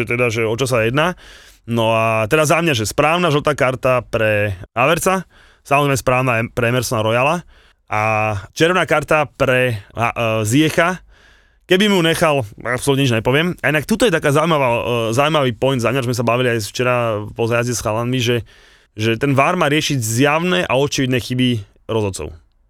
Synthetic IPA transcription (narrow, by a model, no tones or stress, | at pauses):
ɛt̪ɛd̪aʒɛɔt͡ʃɔs̬ajɛd̪naː | nɔat̪ɛd̪azamɲaʒɛspɾaːʊnaʒlt̪aːkaɾt̪apɾɛɦaʋɛɾt͡sa | samɔzɾɛɪmɛspɾaːʊnapɾɛɛmɛɾsɔnaɾɔjala | ʔat͡ʃɛɾʋnaːkaɾt̪apɾɛa̰zɪɛxa | kɛbimuɲɛxala̰psɔlutɲɛɲid͡ʒɲɛpɔʋɪɛmainak̚t̪ut̪ɔjɛt̪akaːzauimaʋazaujmaʋiːpɔjnd̪zaːɲaɾzmɛs̬abaʋiliajft͡ʃɛɾapɔzajazɟɛsxalaniʒɛ | ʒɛt̪ɛnʋaːɾmaːɾɪɛʃiɟzjaʊnɛʔa̰ɔt͡ʃiʋid̪nɛxibi | ɾɔzɔt͡sɔ̰ʊ